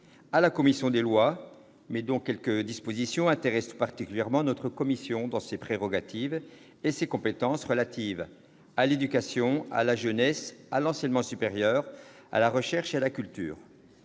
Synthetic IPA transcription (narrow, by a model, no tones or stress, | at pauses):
alakɔmisjɔ̃d̪elwa | mɛd̪ɔ̃kʲɛlkəd̪ispozisjɔ̃ɛ̃t̪eʁɛstpaʁt̪ikʲyljɛʁmɑ̃nɔt̪χəkɔmisjɔ̃d̪ɑ̃sepχeʁɔɡat̪ʰiv | esekɔ̃pet̪ɑ̃sʁəlat̪ʰiv | aled̪ykasjɔ̃a̰laʒənɛsalɑ̃sɛɲmɑ̃sypeʁjœːʁ | a̰laʁəʃɛʁʃealakʲylt̪y̰ːʁ